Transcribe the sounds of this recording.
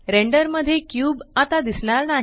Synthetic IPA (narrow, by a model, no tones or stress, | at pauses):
ɾeɳɖəɾməd̪ʱːjekjuːbat̪ad̪isɽ̃aɾnaɦ